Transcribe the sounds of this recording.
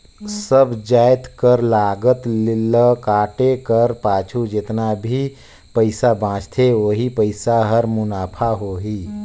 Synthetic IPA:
səbʱd͡ʒajt̪kəɾlaɡət̪liləkaʈekəɾpaːt͡ʃʰud͡ʒet̪nabʱi | pəɪsabãt͡ʃt̪ʰeoɦipəɪsaɦəɾmʊnaːpʰaɦoɦi

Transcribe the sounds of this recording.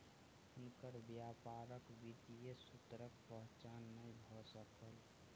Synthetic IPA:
ʊnkəɾbjaːpaːɾəkʋid̪ijesʊt̪ɾək̚pəɦt͡ʃaːnːəibʱɔsəkəl

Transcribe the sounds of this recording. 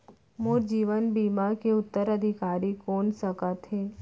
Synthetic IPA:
moːɾd͡ʒiːʋənbiːmakeʊt̪ːəɾəd̪ʱɪkaːɾikoːnsəkət̪ɦeː

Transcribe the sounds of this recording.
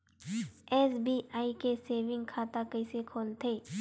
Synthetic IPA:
ɛːsbiːʔaːikeseːʋɪ̃ŋɡkʰaːt̪akɐɪsekʰoːlt̪ʰeː

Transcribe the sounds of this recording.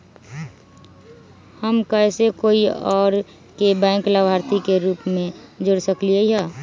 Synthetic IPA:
həmkəɪsekoːiɔːɾ | kebɛ̃ːŋklabʱaːɾt̪ikeɾuːpmẽd͡ʒoɽsəkliəiɦɛ

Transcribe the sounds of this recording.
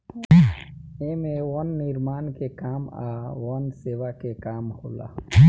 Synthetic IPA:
emeʋənːɪɾmaːnkekaːma̰ʋənseːʋakekaːmhola̰

